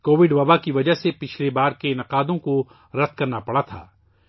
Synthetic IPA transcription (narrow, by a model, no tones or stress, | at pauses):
koːʋɪɖʋɐbakiʋɐd͡ʒəɦsepɪt͡ʃʰlebaːɾkenɐqaːd̪õko | ɾɐd̪̚kɐɾnapɐɽat̪ʰa̰ː